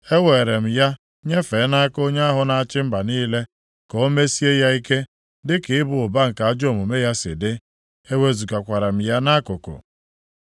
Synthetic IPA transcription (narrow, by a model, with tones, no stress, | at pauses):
e˦we˨ɾe˨m̩˨ja˦ | ɲe˦fe˨˦na˦a˦ko˦ɲe˦a˦ɦʊ˨na˨a˨t͡ʃɪ˦m̩˦ba˨niː˦le˦ | kɔ˨o˦me˦si˦e˦ja˦i˦ke˦ | dɪ˦kɪ˨ɪ˦bʊ˨ʊ˨ba˦ŋ̩˨ka˨a˦d͡ʒo˦˨mu˨me˦ja˦sɪ̰˨dɪ˦ | e˦we˦zu˨ka˨kʷa˨ɾa˨m̩˨ja˦na˦kʊ˨kʊ̰˨